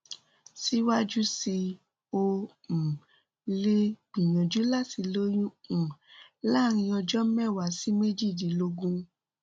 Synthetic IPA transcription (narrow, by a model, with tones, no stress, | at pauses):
si˦wa˦d͡ʒu˦si˧ | õ˧˨ | le˧ɡ͡bĩ˨j̃ɔ̃˨d͡ʒu˨˦la˦˨ti˨˧lo˦jũ˦˨la˦ɾ̃ĩ˧ɔ˧d͡ʒɔ˦m̩˦mɛ˦˨wa˨˦si˦me˦d͡ʒi˦˨di˨˦lo˧ɡũ˦